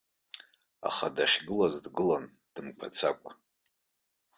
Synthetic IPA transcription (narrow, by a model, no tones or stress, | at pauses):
a̰χadaχʲɡɨlazdɡɨlan | d̥ɨmkʷʰat͡sʰakʷʼ